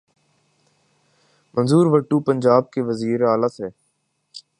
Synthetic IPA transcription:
mə̃nzuːɾʋəʈːuːpə̃nd͡ʒaːb̚keʋəziːɾaːlaːseː

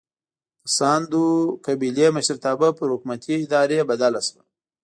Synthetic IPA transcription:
sɑːnd̪ukabileməʃəɾt̪ɑːbapəɾhʊkmat̪ʰiɪd̪ɑːɾebad̪alaswa

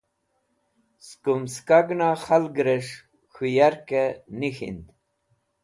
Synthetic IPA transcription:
skumskaɡnaxalɡɾeʂ | xujaɾkenixḭnd̪

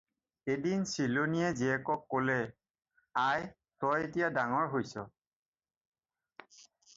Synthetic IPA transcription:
edinsiloniɛziɛkɔkːolɛ | aj | sɔjetijadaŋɔɹɦojsɔ

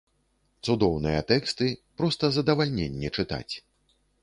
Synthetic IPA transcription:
t̪sud̪ɔwnɨjɐt̪ɛkst̪ɨpɾɔst̪ɐzɐd̪ɐvalʲnʲenʲːɛt͡ʂɨt̪a̰t͡sʲ

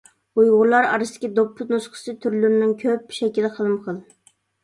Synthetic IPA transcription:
ujʁʊlˠɑɾɑ̰ɾɨst̪ɪ̥kʲid̪opʰːʊnusqʰə̥sɨt̪ʰyɾlyɾɪnɪŋkʲʰøpʃɛkʲilɪχəlˠɨmqʰəlˠ

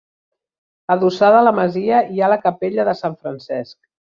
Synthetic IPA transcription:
əðusaðələməziəialəkəpeʎəðəsaɱfɾənsɛsk

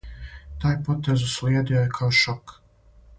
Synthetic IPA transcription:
t̪aːjpot̪eːzusliɛd̪ijojekʰaoʃɔk

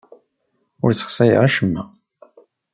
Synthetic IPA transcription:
ʊ̰ɾt͡sːə̥χsæjə̰ʁæʃəmːæ

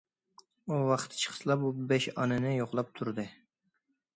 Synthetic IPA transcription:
uwɑχt̪ʰt͡ʃʰə̥χʰə̥slˠɑp̚ubɛʃɑ̰nɨnɪjoqlˠɑp̚t̪ʰuɾd̪ɨ

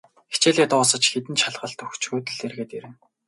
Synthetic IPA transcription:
xe̥t͡ɕeːɮt̪ʊːsə̆t͡ɕxet̪ɘ̆nt͡ɕʰaɮʁə̆ɮt̪ɵxt͡ɕxʊːt̪ɘ̆ɮerɣeːt̪eɾɘ̆n

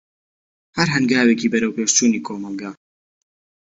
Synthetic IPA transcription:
hɐɾɦɨnɡaːweːkiːbɐɾɐwpeːʃt͡ʃuːniːkʰoːmɐlˠɡaː

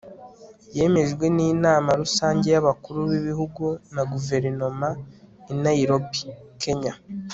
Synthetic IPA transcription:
je̞ːme̞ʒɡwe̞niːnaːmaɾusaːɲɟe̞jaβakuɾuβiβihuɡunaɡuve̞ɾino̞mainaiɾobi̥kʰe̞ɲa

